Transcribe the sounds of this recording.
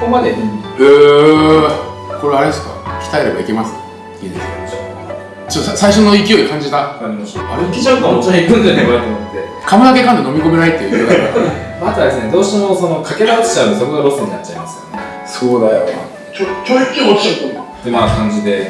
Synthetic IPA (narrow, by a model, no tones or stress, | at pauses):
komad̪eɯː | ko̞ɾeaɾed̪esɨ̥ka̰kʲi̥t̪aeɾe̞ba̰ikʲe̞masɨ̥ | id̪esso | t͡ɕot̪ːasaiɕo̞noikʲijo̞ikãɲ̟d͡ʑid̪aaɾʲimaɕi̥t̪aa̰ɾekʲid͡ʑaɯk̪aõt͡ɕoɲipːɯ̃nt̪enemɯak̪omot̪ːe̞ | kʰamɯak̬e̞kãnd̪e̞no̞mʲiko̞me̞nait̪ːeɯjɡ̪amat̪oad̪e̞sɨne̞d̪o̞ːɕi̥t̪emo̞so̞no̞kʰake̞d̪atɨ̥t͡ɕabɯsokoɡ̪oɾo̞sɨɲ̟inatt͡ɕːaimasɨ̥jone | so̞ːd̪ajo̰na̰ | kʲokʲoːikʲioikõnaojnakãɲ̟d͡ʑid̪e̞